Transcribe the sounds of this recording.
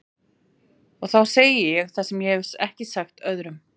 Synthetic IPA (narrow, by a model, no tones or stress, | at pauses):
ɔɣθawseːjɪjɛɣθasɛmjɛɛvsɛhcɪsaxt̪œðɾʏm